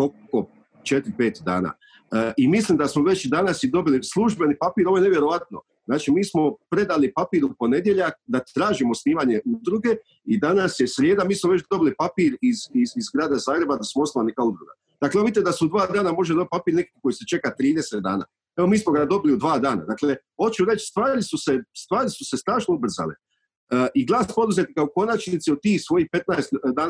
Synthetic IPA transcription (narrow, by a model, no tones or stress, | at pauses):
oko | t͡ʃet̪ɾipeːt̪d̪a̰ːna̰ | imislimd̪asmoʋe̞t͡ʃd̪anasid̪o̞bilislˠuʒbe̞nipapiːɾoojneʋje̞ɾo̞ʋat̪no̞̰ | znaːt͡ʃimiːsmo̞pɾe̞d̪alipapiːɾupo̞ne̞d̪jeʎakd̪at̪ɾaːʒimosniːʋaɲe̞ʔud̪ɾuɡe̞ | id̪anasjesɾjeːd̪amiːsmoʋe̞t͡ʃd̪o̞bilipapiːɾizizizɡɾaːd̪azaːɡɾe̞bad̪asmoosalanekaud̪ɾuɡa̰ | d̪aklemit̪ed̪asuud̪ʋaːd̪aːnamo̞ʒeo̞b̚t̪̚papiːɾnekikko̞jise̞t͡ʃe̞kat̪ɾiːd̪eset̪̚d̪a̰ːna̰ | eʋo̞miːsmoɡad̪o̞biliud̪ʋaːd̪aːna̰d̪akleho̞tt͡ʃuɾe̞t͡ʃst̪ʋaːɾisuse̞st̪ʋaːɾisuse̞st̪ɾaːʃnoubr̩za̰le | ʔiɡlˠaːspo̞d̪uze̞t̪ikaoko̞nat͡ʃnit̪siot̪iːxsʋo̞jihpe̞t̪naest̪d̪aːn